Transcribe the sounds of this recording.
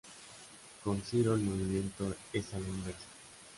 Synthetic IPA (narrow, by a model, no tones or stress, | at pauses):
konsiɾoelmoβimjẽ̞nt̪oesalenbes